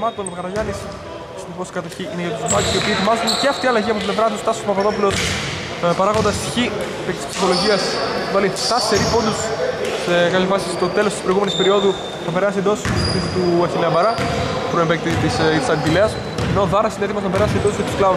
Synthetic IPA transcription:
mɐt̪onɣɐɾɐʝɐnis | snoposkɐt̪ɐçiʔineʝɐt̪uzmɐkusio̞piːet̪imɐzuneceɐft̪iɐlɐʝiɐpot̪iblevɾɐt̪ust̪ɐsospɐpɐt̪o̞pulo̞s | pɐɾɐɣo̞nd̪ɐst̪i̥çi | pekt̪isksi̥θolo̞ʝiɐsvɐliθt̪ɐseɾipo̞nd̪ussekɐp̪çɐfɐsist̪o̞t̪e̞lo̞st̪spɾoiɣumenispe̞ɾio̞ðu | θɐpe̞ɾɐsiend̪o̞sist̪uɐθineɐbɐɾɐpɾoembek̚t̪it̪isit̪i̥sɐnvile̞ɐs | eno̞ðɐɾɐsineðimɐsɐpe̞ɾɐsiend̪osi̥ket̪u̥sklɐu

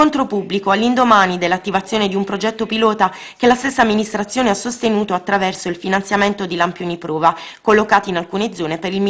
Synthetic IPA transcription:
ont̪ɾopubːlikoalːind̪omaːnid̪elːat̪ːivat̪sjoːned̪iumpɾod͡ʒɛt̪ːopilɔːt̪a | kelast̪esːaːmːinist̪ɾat̪sːjoːneasːost̪enuːt̪oat̪ːɾavɛrsoilfinant̪sjament̪od̪ilampjoːnipɾɔːvakolːokaːt̪iinalkuːned̪zɔːnepeɾilm

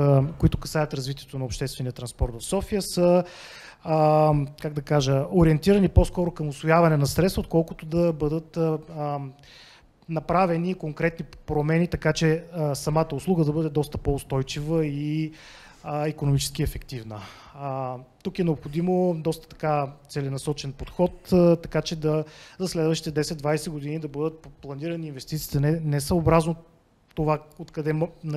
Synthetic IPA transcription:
koit̪ʊkɐsavət̪ɾɐzvit̪ʲiɛt̪onɐopʃt̪ɛst̪vɛnijət̪ɾɐnspɔɾt̪vɐfsɔfijəsə | kaɡ̚d̪ɐkaʒəoɾiɛnt̪iɾəniposkɔɾʊkɐmʊsvojavɐnɛnɐsɾɛt̪svəot̪̚kɔlˠkʊt̪od̪ɐbɤd̪ət̪ | nɐpɾavɛnikoŋkɾɛt̪nipɾomɛnit̪ɐkat͡ʃɛsɐmat̪əʊslˠuɡəd̪ɐbɤd̪ɛd̪ɔst̪əpoʊst̪ɔjt͡ʃivəi | ikonomit͡ʃɛ̥sk̟iɛfɛkt̪ivnə | t̪ukɛnɛopxod̪imod̪ɔst̪ə̥t̪ɐ̥kat̪sɛlɛnɐsɔt͡ʃɛnpot̪xɔt̪t̪ːɐkat͡ʃɛd̪ɐzɐslɛd̪vəʃt̪it̪ɛd̪ɛsɛd̪d̪vajsɛɡod̪inid̪ɐbɤd̪ət̪̚plˠɐniɾɐniiːnvɛst̪it̪siːt̪ɛnɛnɛsəobɾazno | t̪ovaot̪kɐd̪ɛmn

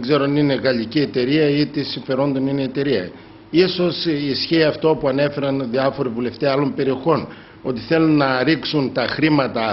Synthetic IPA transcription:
eɡze̞ɾonine̞ɣɐlicie̞t̪e̞ɾiɐit̪esiɱfe̞ɾo̞nd̪o̞nineːt̪e̞ɾiɐ̰ | iso̞sisçiːɐft̪o̞puɐne̞fe̞ɾɐnðiɐfo̞ɾivule̞ft̪eɐlo̞mpe̞ɾio̞xo̞n | o̞t̪iθe̞lunːɐɾiksunt̪ɐxɾimɐt̪ɐ

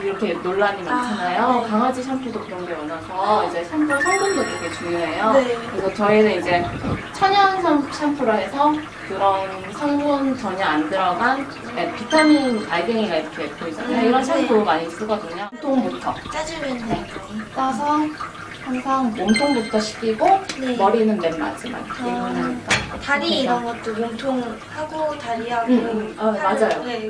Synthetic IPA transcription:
iɾʌkʰenoɭːaɲimant͡ɕʰanajokaŋad͡ʑiɕʰampʰudokɯɾʌŋɡemʌnasʰʌid͡ʑe̞sʰampʰusʰʌŋmund͡ʑʌɡiɾʌkʰet͡ɕuŋjoɦe̞jokɯɾisʰʌt͡ɕʌinɯnid͡ʑe̞t͡ɕʰʌɲʌnsʰamɕʰampʰuɾoɦesʰʌ | kɯɾʌn | sʰʌŋbunt͡ɕʌɲʌandɯɾʌɡan | epitpʰanɯnpaɭɡeŋiɡaiɾʌkʰepʰoid͡ʑanmeiɾʌnsʰaŋtomaɲis͈uɡʌdɯɲaŋtʰoŋbutʰʌt͡ɕ͈ad͡ʑɯminet͈asʰʌ | haŋsʰaŋmomtʰoŋbutʰʌɕʰi̥k͈ʰiɡonemʌɾinɯnmenma̰s͈ɯma̰kʰeʌnait͈ataɾiːɾʌnɡʌt̚t͈omomtʰoŋ | haɡotaɾiaɡamad͡ʑajo

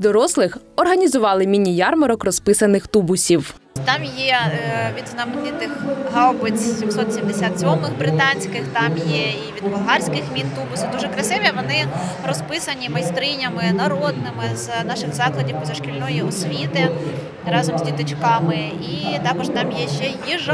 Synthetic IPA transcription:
d̪ɔɾɔslˠɪx | ɔrɦɐnʲizʊʋɑlˠɪmʲinʲijɑrmɐɾɔkrɔspɪsɐnɪxt̪ubʊsʲiw | t̪ɑmjɛʋʲid̪znɐmenɪt̪ɪxɦɑwbɪt͡sʲsʲimsɔt̪sʲimd̪esʲat̪sʲɔmɪxbɾɪt̪ɑnʲsʲkɪxt̪ɑmjɛiʋʲid̪bɐɦɑrʲsʲkɪxmʲint̪ubʊsʲɪd̪uʒɛkɾɐsɪʋʲiʋɔnɪ | rɔspɪsɐnʲimɐjst̪ɾɪnʲɐmɪnɐɾɔd̪nɪmɪznɑʃɪxzɑklˠɐdʲiwpɔzɐʃkʲilʲnɔjiɔsʲʋʲit̪ɪ | rɑzɔmzʲdʲit̪ɔt͡ʃkɑmɪ | it̪ɑkɔʃt̪ɑmjɛʃt͡ʃɛjiʒ

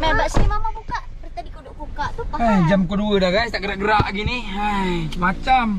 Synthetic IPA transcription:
medaʔsimamakukaʔkəɾit̪adikuduʔkukaʔt̪uaad͡ʒamkuduədaɡajst̪aʔɡəɾaʔɡəɾaʔɡiniamat͡ʃam

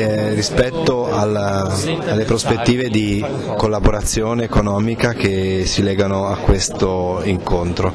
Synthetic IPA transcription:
rispɛt̪ːoalːaalːepɾospet̪ːiːved̪i | kolːaboɾat̪sːjoːneːkonɔːmikak̟esilɛːɡanoakːwest̪oiŋkont̪ɾo

